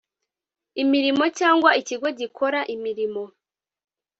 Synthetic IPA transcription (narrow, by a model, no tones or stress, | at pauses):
imiɾimo̞caːŋɡwaiciɡo̞ɟikʰo̞ɾaʔimiɾimo̞